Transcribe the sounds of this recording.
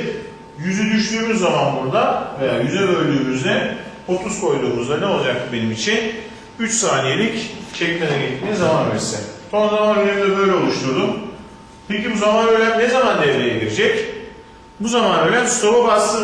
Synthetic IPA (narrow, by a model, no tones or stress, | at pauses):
jyzyd̪yʃd̪yːmyzːamanbuɾd̪ave̞jaːjyzɛbø̞jlʲd̪yːmyzd̪ɛ | ot̪ʰuskʰo̞jd̪uːmuzd̪anɛo̞lˠad͡ʒak̪̚ɯbe̞nimit͡ʃʰin | yt͡ʃsaːnije̞lʲict͡ʃʰɛcmʲenɛɡɛt̪miːzamanvɛɾsɛsʰo̞nzamanyzemd̪ɛbø̞jlʲɛo̞lˠuʃt̪ʰuɾd̪um | pʰecibuzamanøjlʲæmnezamand̪ɛvlʲejeɟiɾed͡ʒɛc | buzamanøjlʲænst̪ʰo̞ɾubast̪ɯ